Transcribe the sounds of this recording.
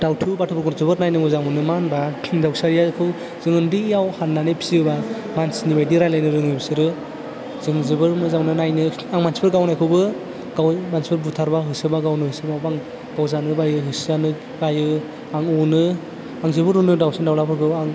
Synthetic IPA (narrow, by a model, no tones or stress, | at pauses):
d̥awtʰubatʰubɯɾɡɔɾzɯbɯɾnajnɯmɯzaŋɔnɯmanbadawsaɾijakʰɯw | zɯŋɯndijawhanːanepʰi̥siɯba | mansnibajdiɾajlajnɯɾɯŋɯjbsɯɾɯ | zɯŋzɯbɯɾmɯzaŋnɯnajnɯ | aŋmansbɯɾɡawnajkʰɯwbɯ | ɡ̥awmansbɯɾbutʰaɾbaɦɯsɯbaɡawnɯɯsɯbawbaŋ | ɡ̥awzanɯbajɯɦɯsanɯ | ɡajɯ | aŋɔnɯ | aŋzɯbɯɾunɯdawsandawlapʰɯɾkʰɯaŋ